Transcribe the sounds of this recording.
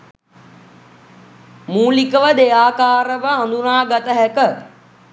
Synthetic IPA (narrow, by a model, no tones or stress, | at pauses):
mũːlɪkəʋəɗ̪eːaːkaːɾəʋəɦɐ̃nd̪unãːɡɐt̪əɦɛkə